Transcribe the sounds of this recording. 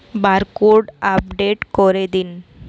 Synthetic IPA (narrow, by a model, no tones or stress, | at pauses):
baɾkoɾɖapɖeʈkɔɾed̪in